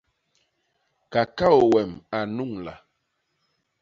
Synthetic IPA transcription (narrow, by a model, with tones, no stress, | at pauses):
ka˨ka˦o˨wɛ˨ma˨nu˦˨ŋla̰˨